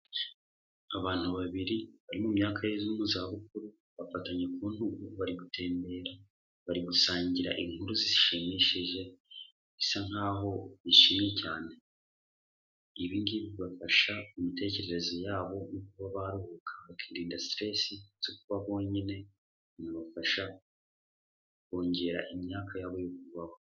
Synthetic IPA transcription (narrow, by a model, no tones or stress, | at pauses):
aβaːn̥uβaβiɾiβaɾimumɲaːkʰajezumuzaβuk̚uɾu | βafataɲe̞kuːn̥huβaɾiɡutʰe̞ːmbe̞ːɾa | βaɾiɡusaːɲɟiɾa̰ʔiŋhuɾuziziʃimiʃiʒe̞ | zisan̥haːɦo̞βiʃimijecaːne̞ | iβinɡiβiβafaʃaumite̞ːce̞ɾe̞ɾe̞zojaːβo̞nukuβaβaɾuhukʰḁβakiːɾiːndastɾe̞ːsiz̥o̞kuβaβo̞ːɲine̞ | naβafaʃa | ko̞ːɲɟe̞ɾa̰ʔimɲaːkʰajaːβo̞jok̚uβaho̞